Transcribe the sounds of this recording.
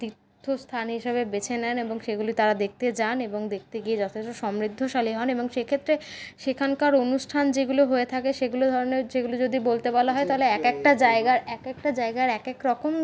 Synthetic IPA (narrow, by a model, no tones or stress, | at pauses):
t̪ɾiɾt̪ʰːost̪ʰanɦiʃeβebet͡ɕʰenɛneboŋʃeɡuloit̪aɾad̪ek̚ʰt̪et͡ɕaneboŋd̪ek̚ʰt̪eɡied͡ʑɔt̪ʰesʈoʃɔmɾid̪ʱːoʃaliɦɔneboŋʃekʰet̪ːɾeʃekʰankaɾonuʃʈʰand͡ʑeɡuloɦoet̪ʰakeʃeɡulod̪ʱɔɾoneɾd͡ʑeɡulod͡ʑod̪ibolt̪ebɔlaɦɔet̪aɦoleɛkɛk̚ʈad͡ʑaeɡaɾɛkɛk̚ʈad͡ʑaeɡaɾɛkekɾɔkom